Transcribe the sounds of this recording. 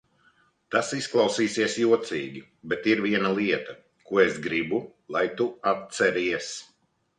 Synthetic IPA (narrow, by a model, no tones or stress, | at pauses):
t̪asisklˠɑwsiːsiɛsjuɔt̪siːɡʲi | bɛt̪iɾviɛnalˠiɛt̪ɐ | kuɔesɡɾibulˠajt̪uat̪̚sɛɾiɛs